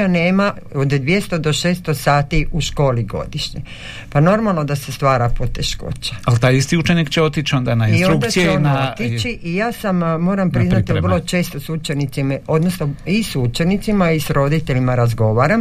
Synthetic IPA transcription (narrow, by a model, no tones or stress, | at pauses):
ane̞ːma | od̪d̪ʋjest̪od̪o̞ʃeːst̪o̞saːt̪iuʃko̞ːliɡo̞̰d̪iʃɲe | pano̞ɾmalˠno̞d̪ase̞st̪ʋaːɾapo̞t̪eʃko̰t͡ʃḁalt̪aːjist̪iut͡ʃenikt͡ʃeot̪it͡ʃond̪anainistoɾukd̪asienaot̪it͡ʃiʔijaːsammo̞ːɾampɾiznat̪irlˠo̞t͡ʃe̞ːst̪osut͡ʃe̞nit̪simao̞d̪nosnoisut͡ʃe̞nit̪simaisɾo̞d̪it̪eʎimaɾazɡo̞ʋaːɾam